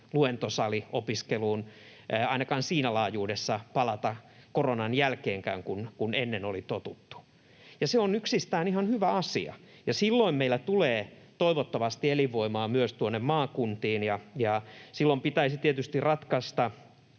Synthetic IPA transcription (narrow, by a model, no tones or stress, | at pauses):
luent̪osɑliopiskeluːnː | ɑinɑkɑːnsiːnælɑːjuːdesːɑpɑlɑt̪ɑkoronɑnjælkeːŋkæ̰ːŋkunkunenːenolit̪ot̪ut̪ːu̥ | jɑseonyksist̪æːnihɑnhyʋæɑsḭɑ̰jɑsilːoimeilːˑæt̪uleːt̪oiʋot̪ːɑʋɑst̪ieliʋoimɑːmmyøst̪uonːemmɑːkunt̪iːnjɑjɑsilːompit̪æisit̪iet̪yst̪irɑt̪kɑst̪ɑ